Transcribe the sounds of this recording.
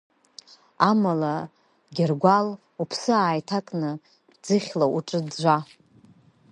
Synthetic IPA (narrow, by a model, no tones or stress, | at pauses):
amala | ɡʲɪrɡʷal | upʰsɨaːjtʰakʼnɨ | d͡zɨχʲlauʈ͡ʂʼɨdd͡ʒʷa